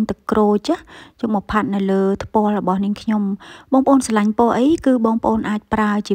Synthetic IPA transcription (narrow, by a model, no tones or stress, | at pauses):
ɲt̪ɨkroːt͡ɕajoŋɓɑpʰat̪̚nɨwləːt̪ʰpŏəlrɔɓɑhniəŋkʰɲomɓɑːŋpəʔoːnsalaɲpŏəʔəjkɨːɓɑːŋpə̆ʔoːnʔaːc̚praət͡ɕiə